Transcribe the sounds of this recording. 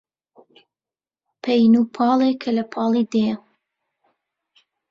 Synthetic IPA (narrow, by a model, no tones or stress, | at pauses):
pʰejnuːpʰɑːleːkʰɐlɐpʰɑːlˠiːd̪ej